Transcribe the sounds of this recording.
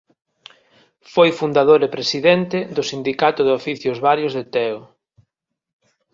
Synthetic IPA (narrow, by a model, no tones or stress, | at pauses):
fojfund̪aðoɾepɾesiðɛnt̪ɪðʊsind̪ikat̪ʊðɪofiθjʊzβaɾjʊzðet̪ɛo